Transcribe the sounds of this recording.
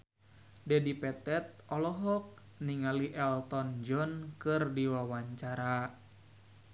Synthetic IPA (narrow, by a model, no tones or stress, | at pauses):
dɛdipɛt̪ɛt̪̚ɔlɔɦɔk̚ | niŋaliʔɛlt̪ɔnd͡ʒɔnkɨrdiwawaɲt͡ʃaɾa